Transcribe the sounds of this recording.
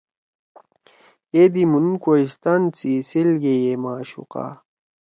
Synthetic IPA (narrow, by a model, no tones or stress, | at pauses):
ed̪imunkoist̪ant͡siselɡejemaːɕṵqa̰